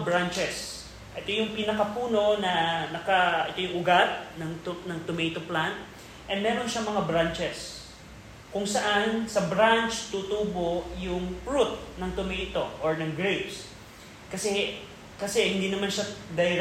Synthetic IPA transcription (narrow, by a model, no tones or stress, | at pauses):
bɾant͡ʃɛs | ʔɛt̪o̞jʊŋpinɐkɐpuːno̞nɐnɐkɐʔɛt̪o̞jʊŋʔʊɡat̪̚nɐŋt̪nɐŋt̪ʊmejt̪oplant̪̚ | ʔɛnmɛːɾo̞nʃaŋmɐŋabɾant͡ʃɛs | kʊŋsɐʔansɐbɾant͡ʃt̪ut̪uboʔjʊŋpɹut̪̚nɐŋt̪ʊmɛjt̪o̞ʔoɹnɐŋɡɹebs | kɐsɛ | kɐsɛhɪnd̪iːnɐmanʃad̪ɐjɾ